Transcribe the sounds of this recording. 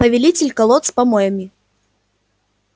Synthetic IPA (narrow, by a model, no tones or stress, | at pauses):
pɐvʲɛlʲit͡sʲɪlʲkɐlˠɔt̪spɐmɔjɐmʲi